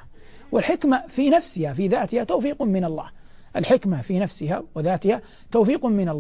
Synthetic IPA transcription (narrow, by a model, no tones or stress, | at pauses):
wɪlħɪkmafinafsɪhafiːðaːt̪ɪhat̪awːfiːqmɪnɑlˤːɑ̰ːh | ʔɪlħɪkmafinafsɪɦa̰wɪðaːt̪ɪha | t̪awfiːqʊmɪnalː